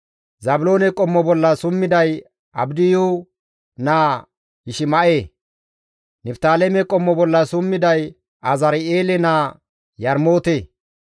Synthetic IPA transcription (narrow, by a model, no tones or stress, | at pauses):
zɐbʊlo̞ːnɛkʼɔmːɔbɔlːɐsʊmːɪd̪ɐj | ʔɐbd̪ɪju | naː | ɪʃɪmɐʔeː | nɪpt̪aːlɛmɛkʼɔmːɔbɔlːɐsʊmːɪd̪ɐj | ʔɐzɐɾɪeːlɛnaː | jɐɾmo̞ːt̪eː